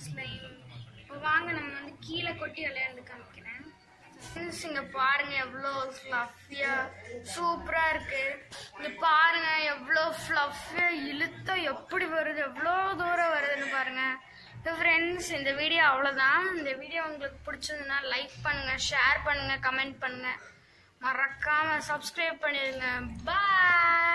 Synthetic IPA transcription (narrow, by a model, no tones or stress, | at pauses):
slɐɪmpːoːʋaːŋɡɐnɐmːɐʋɐnd̪ɯkiːlɐkɔʈːiɐlɐjaɾɾɯkːɐʋɛkːɐɾẽː | fɾɛɳsɪŋɡepaːɾɯŋɡɐɛʋːɐɭoːflɐfɪjaːsuːpɪɾaːɪɾɯkːɯɪŋɡɐpaːɾɯŋɡɐɛʋːɐɭoːfɭɐfɪjaːɪlɯt̪ːãɛpːɐɽiʋɐɾɯðɯɛʋːɐɭoːd̪uːɾɐ̃ʋɐɾɯðɯnːɯpaːɾɯŋɡɐ | nd̪ɐfɾɛɳɖsɪnd̪ɐʋiːɽɪjoːɐʋɐɭoːt̪ãːɪnd̪ɐʋiːɽɪjoːʊŋɡɐɭɯkːɯ̥pʊɽɪt͡ʃːɾɯnd̪ɯnːaːlɐɪk̚pɐɳːɯŋɡɐʃeːɾpɐɳːɯŋɡɐkɐmɛɳʈ̚pɐɳːɯŋɡɐ | mɐɾɐkːaːmɐsɐbskɾɐɪːb̚pɐɳːɪðɯŋɡɐbɐ